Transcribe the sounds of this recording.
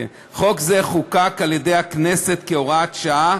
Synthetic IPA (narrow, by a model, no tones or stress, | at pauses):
e | χo̞kzeχukakaljed̪ejaknese̞t̪keoʁat̪ʃaa